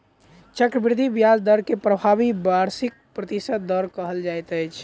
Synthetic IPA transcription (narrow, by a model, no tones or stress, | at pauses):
t͡ʃəkɾəbɪɾɪd̪ʱibjald̪əɾkepɾəbʱabibaɾsɪk̚pɾət̪isət̪̚d̪ɔɾkəɦəld͡ʒajt̪əjt͡ʃʰ